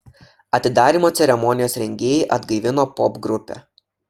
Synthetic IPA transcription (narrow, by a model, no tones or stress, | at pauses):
ɐt̪ʲɪd̪ɑːɾʲiːmoːt̪sʲɛɾʲɛmɔnʲɪjoːsɾʲɛŋʲɡʲeːjɛʔɐd̪ɡɐɪʋʲɪnoːpɔbɡɾʊpʲɛ̰ː